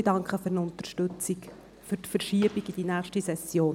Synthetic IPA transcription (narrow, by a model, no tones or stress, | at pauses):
d̥ɑŋkχəfʏɾnʊnt̪əɾʃtʉt͡sik | fʏɾtfəɾʃiəb̥iɡid̥inæːχʃtisɛsjoːn